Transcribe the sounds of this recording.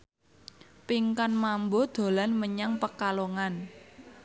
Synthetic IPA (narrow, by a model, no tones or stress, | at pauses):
piŋkanmambod̪̥o̤lanməɲaŋpəkaloŋan